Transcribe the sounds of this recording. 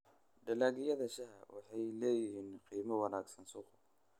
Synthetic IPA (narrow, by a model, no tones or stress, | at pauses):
dɐlaːɣɪjɐðɐʃɐɦɐ̰wɑ̰ħɑjlɛːjɪhiːnqiːmɐwɑnaːɡsɐnsʊqʊ